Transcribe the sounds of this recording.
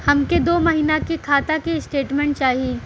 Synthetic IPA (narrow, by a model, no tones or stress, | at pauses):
hɐmked̪oːmɐɦiːnakekʰaːt̪akesʈeːʈmẽːɳʈ̚t͡ʃaːɦieː